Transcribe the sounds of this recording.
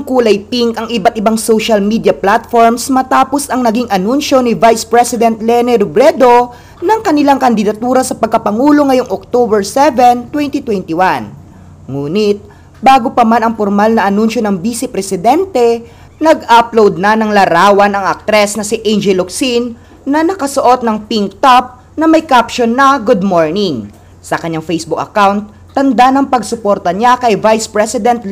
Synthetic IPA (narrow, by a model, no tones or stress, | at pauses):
ʔɐŋkuːlɐjpiŋkʔɐŋʔɪbat̪̚ʔɪbaŋsowʃɐlmid̪jɐplat̪foɹmsmɐt̪aːpo̞sʔɐŋnɐɡiŋʔɐnunʃo̞nɪvajspɹɛsɪd̪ɛnt̪lɛnɛɾobɾɛd̪o̞ | nɐŋkɐnɪlaŋkɐnd̪ɪd̪ɐt̪uːɾɐsɐpɐɡ̚kɐpɐŋuːlo̞ŋɐjo̞ŋʔok̚t̪obɛɹsɛvɛnt̪wɛnt̪it̪wɛnt̪ɪwan | ŋuːnɪt̪̚ | baːɡopɐmanɐŋpoɾmalnɐʔɐnunʃo̞nɐŋbiːsɪpɾɛsɪd̪ɛnt̪ɛ | nɐɡaplowd̪̚nɐnɐŋlɐɾaːwɐnɐŋɐk̚t̪ɾɛsnɐsɪʔɛnd͡ʒɛloksinː | ɐnɐkɐsoʔo̞t̪̚nɐŋpiŋk̚t̪ap̚ | nɐmɐjkapʃonːɐɡud̪̚moɹnɪŋ | sɐkɐɲaŋfejsbuk̚ʔɐkawnt̪ːɐnd̪anɐŋpɐɡsʊpo̞ɾt̪ɐɲakɐjvajspɹɛsɪd̪ɛnt̪